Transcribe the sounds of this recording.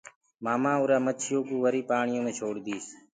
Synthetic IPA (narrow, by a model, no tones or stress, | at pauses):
maːmãːʊɾaːmət͡ʃʰɪjoːkũːʋəɾiːpaːɳɪjõːmẽːt͡ʃʰoːɽd̪iːs